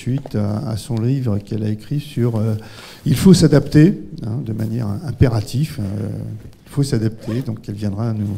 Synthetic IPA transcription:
ɥit̪a̰ːsɔ̃livʁəkɛlaekχisyʁø | ilfosad̪apt̪eɛ̃d̪əmanjɛ̰ʁɛ̃peʁat̪ʰifø̰ilfosad̪ap̚t̪ʰed̪ɔ̃kɛlvjɛ̃d̪ʁaːnu

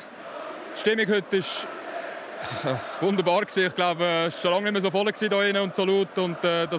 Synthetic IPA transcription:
tʃtɪmːɪkhʏtɪʃ | vʊndəɾbɑːɾksiːɪχɡ̥laʊbɛʃʃolɑŋnɪməs̬ofɔləksiːdoːɪnəʊntsoluːtʊntɛːdɑ

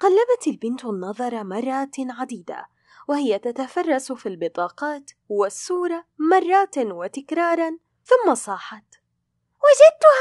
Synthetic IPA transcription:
qalːabat̪albɪnt̪nːɑðˤɑɾˤɑmɑrˤːɑːt̪ʕad̪iːd̪a̰ | wɪhɪjat̪at̪afɑrˤːɑsfilbɪt̪ˤɑːqɑːt̪ | wasːuːɾˤɑmɑrˤːɑːt̪wɪt̪ɪkɾˤɑːɾˤɑ | θʊmːasˤɑːħɑt̪ | wɪd͡ʒɪd̪̚t̪ʊh

